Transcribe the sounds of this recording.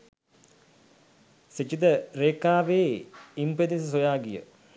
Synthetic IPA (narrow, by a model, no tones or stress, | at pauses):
set͡ʃid̪əɾeːkaːʋeːimped̪issojaːɡijə̰